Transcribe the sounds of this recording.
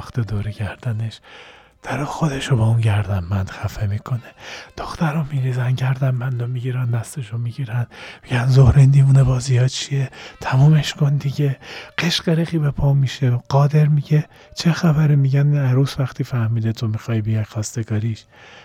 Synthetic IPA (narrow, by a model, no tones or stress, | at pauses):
xt̪ed̪oːɾeɟæɾd̪æneʃ | d̪̥ʰæɾɒːxod̪e̞ʃobɒːunɟæɾd̪ænmænd̪̥xæfemiːkʰo̞ned̪̥oxt̪æɾɒmiɾiːzænɟæɾd̪ænmænd̪omiɟiːɾænd̪æst̪e̞ʃomiɡiːɾænmiɟænzohɾind̪iːmunebɒːzijɒːt͡ʃʰijet̪ʰæmɒːmeʃkʰond̪iɟe̞ɢ̥eʃɢ̥eɾexiːbepʰɒːmiːʃeɢ̥ɒːd̪e̞ɾmiɟe | t͡ʃʰexæbæɾimiɟænæɾuːsvæxt̪ʰiːfæhmiːd̪et̪ʰomixɒːhibijɒjxɒːst̪eɡɒːɾiʃ